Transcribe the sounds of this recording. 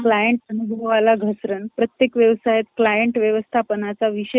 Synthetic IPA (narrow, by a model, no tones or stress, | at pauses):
klajəɳʈənubʱəʋalaɡʱəsɾənpɾət̪jekʋjəʋsajet̪klajəɳʈʋjəʋəst̪ʰapənat͡saʋiɕe